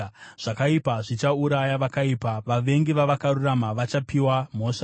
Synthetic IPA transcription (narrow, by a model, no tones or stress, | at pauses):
ʐ̥akaipaʐit͡ʃauɾajaʋakaipaʋaʋe̞ŋɡiʋaʋakaruramaʋat͡ʃapiwam̤o̞ːʂa